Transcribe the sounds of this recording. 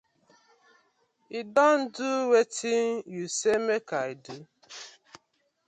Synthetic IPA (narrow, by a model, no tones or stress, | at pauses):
idɔn̩duwetʰinjusemekaidu